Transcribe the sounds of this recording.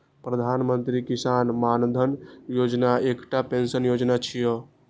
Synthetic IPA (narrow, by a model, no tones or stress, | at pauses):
pɾəd̪ʱanmənt̪ɾikisanmand̪ʱənjod͡ʒnaekʈapensənjod͡ʒnat͡ʃʰijɔ